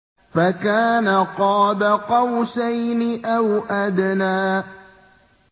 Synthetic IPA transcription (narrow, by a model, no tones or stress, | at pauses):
fakaːnaqɑːbaqɑwsajnɪʔawʔad̪naː